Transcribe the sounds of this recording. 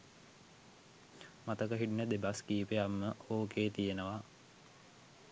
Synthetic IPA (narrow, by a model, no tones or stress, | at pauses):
mat̪əkəɦiʈnəd̪ebaskiːpeamːəoːkeːt̪ijenəʋa